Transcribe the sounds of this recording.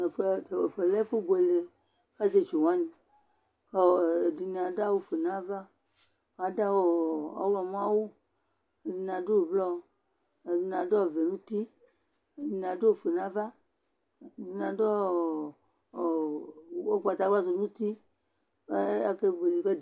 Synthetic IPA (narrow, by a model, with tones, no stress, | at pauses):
e˨fe˨fe˨le˦fe˦bo˨e˨le˨ | ka˦d͡ʒe˦d͡ʒo˨wã˦nĩ˨ | e˦˨di˨nĩ˨ã˨ɖa˦wo˦fe˨nã˦va˦ | wa˨ɖa˦wo˨a̰˨˦wlɔ˨m˦ã˦wo˦ | e˨di˨n˨ã˨ɖo˦˨blɔ˦ | e˨di˨n˨ã˨ɖɔ˦˨ve˨nũ˦t̪i˦˨ | di˨n˨ã˨ɖo˦o˨fe˨nã˦va˦˨ | di˨n˨ã˨ɖɔ˦˨ | wo˦ɡ͡ba˨t̪a˨ɡ͡ba˦zo˨nũ˦t̪i˦ | e˦a˦ke˦be˨li˨ke˦d